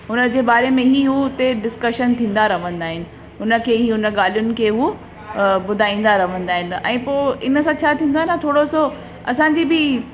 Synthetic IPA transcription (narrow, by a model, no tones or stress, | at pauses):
ɦʊnə̆d͡ʑeːbaːɾemẽɦiɦut̪eɖɪskəʃənt̪ʰĩːn̆d̪aɾɐʋ̤ə̃nd̪aːɦɪnɪ̆ | ɦʊnə̆kʰeːɦiːɦʊnə̆ɠaːl̤ijʊnɪ̆kʰeːɦu | bʊd̪ʱaːĩːn̆d̪aɾɐʋ̤ə̃nd̪aːɦɪnɪ̆ɛ̰̃ːpoːɪnəsãt͡ɕʰaːt̪ʰĩːnd̪aːɦɪnt̪ʰoːɽoso | ɐsãːɲ̆d͡ʑiːbɪ